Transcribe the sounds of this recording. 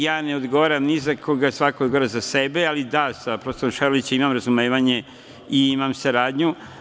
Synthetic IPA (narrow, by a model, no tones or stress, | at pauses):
jaːneo̞d̪ɡo̞ʋaːɾamnizakʰoɡasʋakoɡoɾezasebealid̪asapɾost̪oomʃaɾolit͡ɕeimamɾazumeːʋaɲe̞ | iimamsaɾaːd̪ɲu